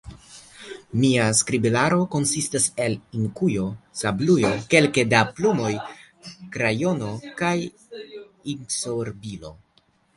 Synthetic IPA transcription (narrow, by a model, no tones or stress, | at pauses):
miaskɾibilaɾo̞ko̞nsistase̞liŋkujo̞sablujoke̞lke̞daplumo̞j | kɾajo̞no̞kaj | insoɾbilo̞̰